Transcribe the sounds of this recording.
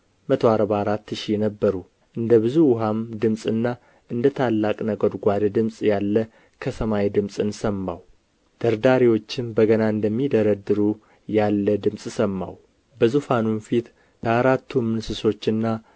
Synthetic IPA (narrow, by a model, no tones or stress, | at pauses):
mət̪ʰoaɾbaːɾat̪ːɨʃiɛnəbːəɾu | ʔɨnd̪əβɨzuwʊɦamd̪ɨmsʼɨnːa | ʔɨnd̪ət̪ʰalːakʼnəɡod̪ɡʷad̪d̪ɨmsʼjalːə | kʰəsəmajed̪ɨmsʼɨnsəmːa̰w | d̪̥əɾd̪aɾiwo̞t͡ʃːɪmbəɡənaɨnd̪əmːid̪əɾəd̪ɨɾu | jalːəd̪ɨmsʼsəmːa̰w | bəzufanunfit̪ | kʰəaɾat̪ʰːumːɨnsɨso̞t͡ʃːɨnːa